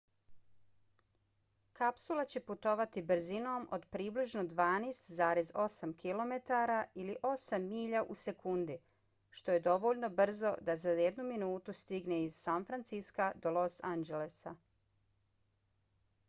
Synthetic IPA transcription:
kapsulˠat͡ɕe̞put̪o̞ʋat̪ibr̩zino̞ːmod̪pɾiːbliʒno̞d̪ʋaːneːst̪zaːɾe̞zo̞samkʰilˠo̞me̞t̪aɾailiʔo̞samːiːʎaʔuse̞kund̪i | ʃt̪o̞je̞d̪o̞ʋo̞ʎno̞br̩zo̞d̪azajed̪numinuːt̪ust̪iɡneizsanfɾant̪siskad̪o̞lˠo̞sand͡ʒelesa

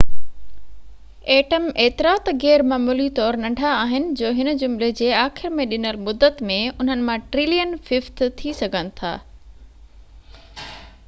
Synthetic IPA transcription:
eːʈəmeːt̪ɪɾaːt̪ɣɛːɾmaːmuːlit̪ɔːɾnɐ̃ɳɖʱaːɦɪnɪ̆d͡ʑoːɦɪnəd͡ʑʊmled͡ʑeːaːxɪɾmẽɗɪnəlmʊd̪ːət̪mẽʊn̤ənɪ̆mãʈɾɪlijənfɪft̪t̪ʰisɐɡʱənɪ̆t̪ʰa̰ː

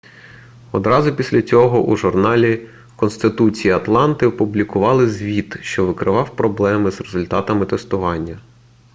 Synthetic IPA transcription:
ɔd̪ɾɑzʊpʲisʲlʲɐt͡sʲɔɦɔʔuʒʊrnɑlʲi | kɔnst̪ɪt̪ut͡sʲijiɐt̪lˠɑnt̪ɪɔpʊblʲikʊʋɑlˠɪzʲʋʲit̪ʃt͡ʃɔʋɪkɾɪʋɑwpɾɔblˠɛmɪzrezʊlʲt̪ɑt̪ɐmɪt̪est̪ʊʋɑnʲːɐ

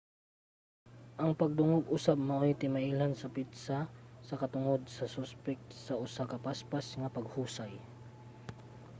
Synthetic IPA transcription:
ʔɐŋpɐɡ̚d̪ʊŋoɡʔʊsab̚mɐʔojt̪ɪmaʔiːlansɐpit̪sasɐkɐt̪ʊŋod̪̚sɐsʊspɛk̚t̪sɐʔʊsakɐpaspasŋɐpɐɡhuːsaj

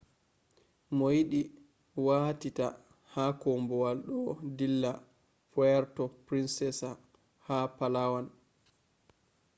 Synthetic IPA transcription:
mɔjiɗi | watita̰ | hakɔmbɔwalɗɔdilːa | fɔɛɾtɔpɾinsɛsa | hapalawan

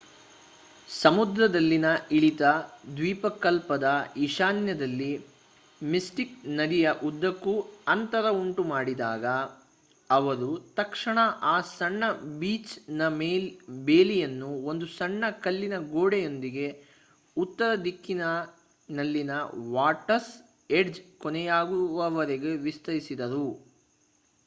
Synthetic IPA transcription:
sɐmud̪ɾɐd̪ɐlːinɐiɭit̪ɐd̪ʋiːpɐkːɐlpɐd̪ɐiʂaːnjɐd̪ɐlːi | misʈiknɐɾijɐʔud̪ːɐkːuɐnt̪ɐɾɐuɳʈumaːɽid̪aːɡɐː | ʋɐɾut̪ɐkʂɐɳɐʔaːsɐɳːɐbiːt͡ʃnɐmeːbeːlijɐnːuo̞nd̪usɐɳːɐkɐlːinɐɡoːɽejo̞nd̪iɡe̞ | ut̪ːɐɾɐd̪ikːinɐ | nɐlːinɐʋaːʈɐs | eɖd͡ʒkɔnɛjaːɡuʋɐʋɐɾɛɡe̞ʋist̪ɐɾisid̪ɐɾu

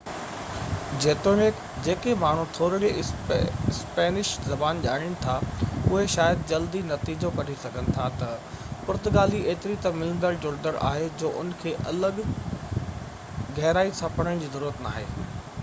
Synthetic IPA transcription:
d͡ʑeːt̪oːnɪk | d͡ʑeːkemaːɳ̤ũt̪ʰoːɾɽie | ɪspeːnɪʃzɐbaːnʄaːɽ̃ɪñɪ̆t̪ʰaʊɦeʃaːjəd̪̚d͡ʑɐld̪inɐt̪iːd͡ʑokɐɾisɐɡʱənɪ̆t̪ʰat̪ɐpʊɾt̪ʊɡaːlieːt̪ɪɾit̪ɐmɪlə̃nd̪əɭd͡ʑʊɽd̪əɾʔa̰ːɦed͡ʑoːʔʊ̰nkʰeːʔɐləɡ | ɣɐɦɪɾaːisãpɐɽ̤əɽ̃d͡ʑiːzɐɾuːɾət̪na̰ːɦeː

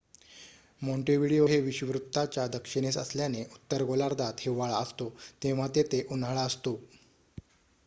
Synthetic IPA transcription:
mõɳʈeʋiɽijoɦeʋiɕəʋɾut̪ːat͡ɕjad̪əkʂiɽ̃esə̰sljaneʔut̪ːəɾɡolaɾd̪at̪heʋaɭaəst̪ot̪eʋ̤at̪et̪eʔunɦaɭaəst̪o

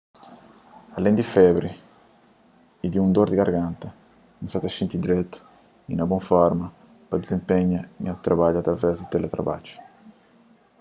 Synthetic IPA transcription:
alɛnd̪ifɛbɾi | id̪iund̪oɾd̪iɡaɾɡant̪a | nuŋsat̪aʃint̪id̪iɾɛt̪ːʊ̥ | inabɔŋfɔɾmɐ | pad̪izimpɛɲːaiŋat̪ɾabad͡ʒat̪ːɾavɛzd̪it̪ɛlet̪ɾa̰ba̰d͡ʒʊ̥

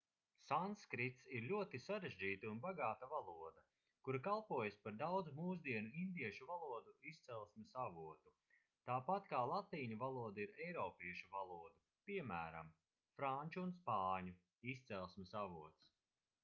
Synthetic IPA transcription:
sanskɾit̪siɾlʲuɔt̪isaɾeʒd͡ʒiːt̪aunbaɡaːt̪avalˠuɔd̪ɐ | kuɾakalˠpuɔjaspaɾd̪awd̪zumuːzd̪iɛnuind̪iɛʃuvalˠuɔd̪uist̪sɛlˠsmesavuɔt̪u | t̪aːpat̪kaːlˠat̪iːɲuvalˠuɔd̪aiɾɛjɾɔːpiɛʃuvalˠuɔd̪u | piɛmæːɾa̰m | fɾanʲt͡ʃuunspaːɲu | ist̪sɛlˠsmesavuɔt̪s

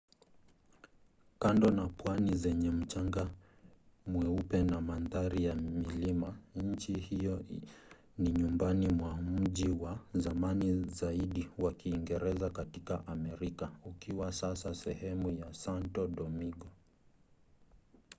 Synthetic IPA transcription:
kandɔnapwanizɛɲɛm̩t͡ʃaŋɡa | mwɛupɛnamanðaɾijamilimaɲ̩t͡ʃihijɔ | niɲumbanimwam̩ʄiwazamanizaiɗiwakiːŋɡɛɾɛzakatikaʔamɛɾikaukiwasasasɛhɛmujasantɔɗɔmiɡɔ

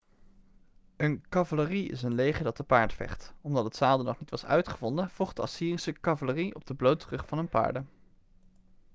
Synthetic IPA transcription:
ənkɑvaləriɪ̰sənlejχəɹdɑt̚dəpaːɹtfɛ̰χtɔmdɑtətsaːlˠdənɔχnitʋɑsœ̰ɥtχəvɔndəv̥ɔχdəɑsiːrisəkɑvaləriɔb̚dəblowtərɵχfɑnənpa̰ːɹdə

